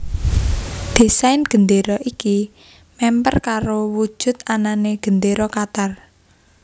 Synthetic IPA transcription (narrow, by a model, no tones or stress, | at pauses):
d̪̥e̤saɪnɡ̥ə̤nd̪eɾɔʔiki | mɛmpə̰rkaɾowu̥ʒ̥ʊ̤t̪̚ananeɡ̥ənd̪eɾɔkat̪ar